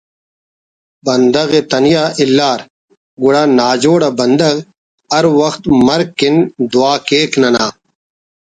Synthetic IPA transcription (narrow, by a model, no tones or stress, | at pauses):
bɐnd̪ɐɣeːt̪ɐnjaːʔɪlːaːɾ | ɡʊɽaːnaːd͡ʑoːɽaːbɐnd̪ɐɣ | ɐɾwɐxt̪mɐɾkːɪnd̪ʊaːkeːknɐnaː